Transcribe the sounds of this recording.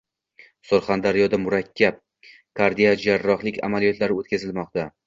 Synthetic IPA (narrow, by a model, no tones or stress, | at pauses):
soɾχand̪aɾijɒd̪amʊɾakʲʰːap̚ | kʰaɾd̪ijad͡ʒaɾːɒχlˠɪkʲa̰malijɒt̪laɾɪot̪kʲazɪlmɒq̚t̪a